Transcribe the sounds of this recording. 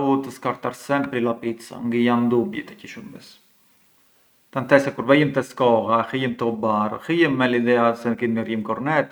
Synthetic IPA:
ut̪əskaɾt̪aɾsɛnpɾilapit͡sa̰ŋɡəjand̪ubjɛt̪ɛciʃumis | t̪anθɛsɛkuɾvɛjimt̪ɛskɔɣaxijimt̪əɔbarə̰xijɛmːɛlid̪ɛasɛnəkinmərjimkɔɾnɛt̪

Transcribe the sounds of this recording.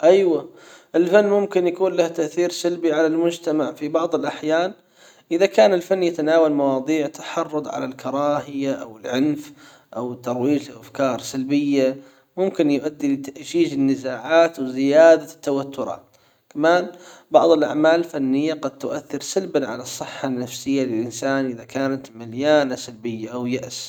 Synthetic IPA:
ʔajwaʔɪlfanːmʊmkɪnjakuːnlaht̪aʔθiːɾsalbiʕalalmʊd͡ʒt̪amaʕfibɑʕðˤɪlʔaħjaːn | ʔɪðakaːnɪlfanːjat̪anaːwalmɑwɑːd̪ˤiːʕt̪ʰḁħɑrˤːʊd̪ˤʕa̰lalkʰɑɾˤɑːhɪjaʔa̰wɪlʕʊnf | ʔawt̪ɑɾˤwiːd͡ʒlɪʔafkɑːɾˤsalbɪjːa | mʊmkɪnjʊʔad̪ːilɪt̪aʔd͡ʒiːʒɪnːɪzaːʕaːt̪wzɪjaːd̪at̪ːawat̪ːʊɾˤɑ̰ːt̪ | kamaːnbɑ̰ʕðˤɪlʔa̰ʕmaːlɪlfanːɪjːaɡɑd̪̚t̪ʊʔaθːɪɾsalbanʕa̰lɑsˤːɨħːanːafsɪjːalɪlʔɪnsaːnʔɪðakaːnat̪maljaːnasalbɪjːaʔawjaʔs

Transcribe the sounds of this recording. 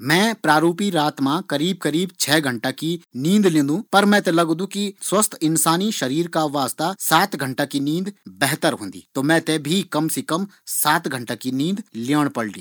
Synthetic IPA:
mɛ̃ːpɾaːɾuːpiɾaːt̪mãkɐɾiːb̚kɐɾiːbt͡ʃʰɛːɡʱɐ̃ɳʈakinĩːnd̪lẽːnd̪ũpɐɾmɛ̃t̪elɐɡd̪ũkiswɐst̪ʰɪnsaːniʃɐɾiːɾkaʋaːst̪asaːt̪ɡʱɐ̃ɳʈakinĩːnd̪bɛɦt̪əɾɦõːnd̪ḭːt̪oːmɛ̃ːt̪ebʱikɐmsekɐmsaːt̪ɡʱə̃ɳʈakinĩːnd̪liəɽ̃pɐɽlḭ

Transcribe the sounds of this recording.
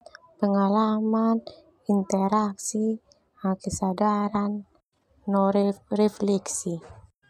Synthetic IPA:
pəŋalaman | int̪ɛɾaksi | akəsadaɾanː | ɔɾrɛflɛksi

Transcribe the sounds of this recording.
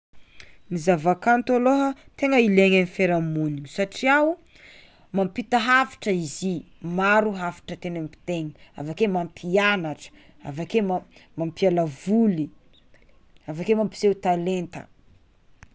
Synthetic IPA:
mizavakant̪aloɦət̪eŋəileɲanifeɾamuniɲusaʈ͡ʂiaw | mampit̪əɦafi̥ʈ͡ʂəizi | maɾuɦafi̥ʈ͡ʂət̪enampi̥t̪eŋia̰vakemampʰianaʈ͡ʂə̥ | a̰vakemamampialavuli | avakemampi̥zewt̪alent̪ə̰

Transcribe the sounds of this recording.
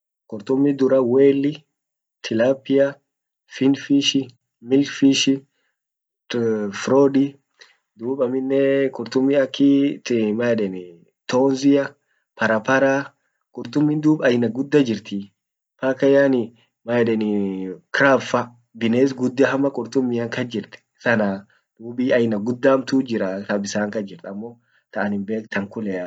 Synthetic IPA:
kʼʊɾt̪ʊmːɪd̪ʊɾɐweːlːɪ | t̪ʰɪlaːpːɪjɐ | fɪnfiʃɪ | mɪlfiʃɪ | fɾoːdɪ | d̪uːbɐmɪnːɛkʼʊɾt̪ʊmːɪɐkːɪmaɛᶑɛnɪ | t̪oːnzɪjɐ | pɐɾɐpɐɾaː | kʼʊɾt̪ʊmːiːnd̪uːbɐjnɐɡʊd̪ːɐd͡ʒɪɾt̪i | paːkɐjaːnɪ | majɛᶑɛnɪkɾaːfɐ | bɪneːs̬ɡʊd̪ːɐɦɐmɐkʼʊɾt̪ʊmːiːɐŋkɐd͡ʒɪɾt̪ɛ̥sɐna | d̪̥uːbiːɐjnɐɡʊd̪ːaːmt̪uːd͡ʒɪɾɐt̪ɐbɪsaːŋkɐd͡ʒɪɾt̪ɐmːo | t̪ɐʔɐnɪmbe̞ːkt̪ʰɐŋkʊlɛ

